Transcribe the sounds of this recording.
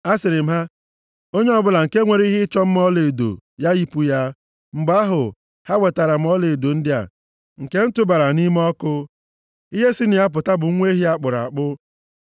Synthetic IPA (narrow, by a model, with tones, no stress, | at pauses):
a˦sɪ˨ɾɪ˨m̩˦ɦa˦ | o˦ɲe˦ɔ˦bʊ˦la˨ŋ̩˨ke˦ŋʷe˨ɾi˦ɦɪ˦t͡ʃɔ˦m̩˦m˦ɔ˦le˨do̰˨ja˦ji˦pu˦ja˦ | ŋ͡m̩˨ɡ͡ba˦ɦʊ˨ | ha˦we˨ta˨ɾa˨m̩˦ɔ˦le˨do˨n̩˦dɪ˦a̰˨ | ŋ̩˨ke˦n̩˦tʊ˦ba˨ɾa˨ni˦m˦ɔ˦kʊ˦ | i˦ɦe˦si˦nɪ˨a˦p̬ʊ˨ta˦bʊ˨˦ŋʷe˦ɦi˦a˦k͡pʊ˨ɾa̰˨a˨k͡pʊ˦